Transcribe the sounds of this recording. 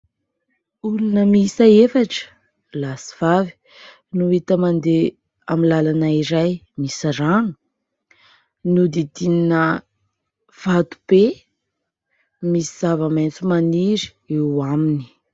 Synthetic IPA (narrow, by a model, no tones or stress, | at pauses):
ulunəmisaefaʈ͡ʂə̥ | lasi̥v̥avi̥ | nuit̪əmand̪e | amilalanaiɾaj | misaɾaŋə | nud̪id̪ininə | v̥at̪u̥b̥e | misiz̥avəment͡sumaniɾi̥ | ewamini̥